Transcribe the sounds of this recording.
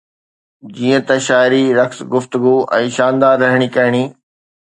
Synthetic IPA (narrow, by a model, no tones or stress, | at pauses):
d͡ʑiːə̃t̪ɐ̃ʃaːɪɾiɾɐxsɡʊft̪ʊɡuɛ̰̃ːʃaːnd̪aːɾːɐɦɪɽ̃ikɐɦɪɽ̃iː